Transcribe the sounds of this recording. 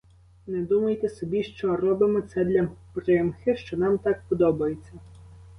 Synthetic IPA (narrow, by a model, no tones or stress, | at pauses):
nɛd̪umɐjt̪ɛsɔbʲiʃt͡ʃɔrɔbɪmɔt̪sɛd̪lʲɐpɾɪmxɪʃt͡ʃɔnɑmt̪ɑk̚pɔd̪ɔbɐjet͡sʲːɐ